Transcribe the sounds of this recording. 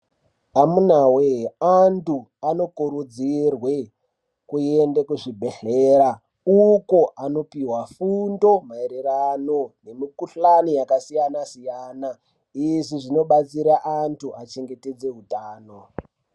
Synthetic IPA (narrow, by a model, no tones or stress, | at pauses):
amunaweantuano̞kuɾud͡zirwe | kuendekuʐibʱeɬeːɾa | ukoʔano̞piwafundo̞maeɾerano̞ne̞mikuɬanijakasijanasijaːna | iʐiʐino̞ɓat͡siɾaʔantʰuʔat͡ʃeŋɡe̞te̞d͡ze̞ɦutaːno